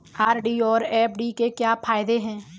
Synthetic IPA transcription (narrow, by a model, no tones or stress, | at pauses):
aːɾɖiːɔːɾɛːpʰɖikekjaːpʰaːɪd̪eɦɛ̃ː